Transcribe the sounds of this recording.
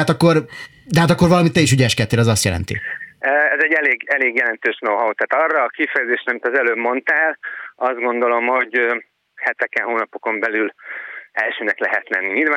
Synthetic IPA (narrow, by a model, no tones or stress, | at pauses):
at̪ɒkːo̞r | d̪ɛɦat̪ɒkːorvɒlɒmit̪ːɛiʃyɟɛʃkɛt̪ːeːlɒzɒst̪jɛ̰lɛ̰nt̪ḭ | ɛzɛɟːɛleːɡɛleːɡjɛlɛnt̪øːʃnowɦɒut̪aːt̪ɒrːɒːkifɛjɛzeːʃɾɛɒmit̪ɒzɛløːbmo̞nt̪aːlɒzd̪̚ɡo̞nd̪o̞lo̞mho̞ɟ | hɛt̪ɛkɛnɦoːnɒpo̞ko̞mbɛlylɛlʃøːnɛklɛɦɛt̪lɛnːiɲilvaː